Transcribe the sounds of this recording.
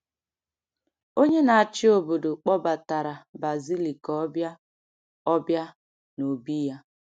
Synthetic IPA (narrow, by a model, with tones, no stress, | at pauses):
o˦ɲe˦na˨a˨t͡ʃɪ˦o˨bo˨do˨k͡pɔ˦ba˨ta˨ɾa˨ba˨zi˦li˨kɔ˦bja˦ | ɔ˦bja˦ | no˨bi˦ja˦